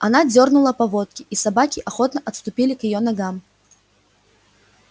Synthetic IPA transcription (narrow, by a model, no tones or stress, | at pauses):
anad͡zʲɔrnulˠɐpavɔt̪̚kʲiʔisabakʲiʔaxɔt̪nɐʔɐt̪st̪ʊpʲilʲikjijɔnaɡam